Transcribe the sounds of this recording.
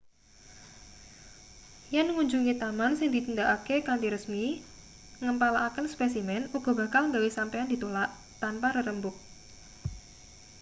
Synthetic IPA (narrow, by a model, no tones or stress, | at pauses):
janŋuɲd͡ʒuŋit̪amansɪŋd̪it̪ənd̪aʔakekant̪iɾəsmi | ŋəmpalaʔakənspɛsimɛnuɡ̥ɔ̤ba̤kalŋɡawisampeand̪i̤t̪olaʔ | t̪anpaɾəɾəmbʊk̚